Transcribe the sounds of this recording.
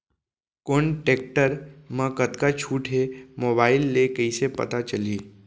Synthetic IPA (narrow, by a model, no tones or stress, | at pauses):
koːɳʈeːk̚ʈəɾmə̃kət̪kat͡ʃʰuːʈɦemoːbaːɪlːekəisepɐ̰t̪at͡ʃɐliː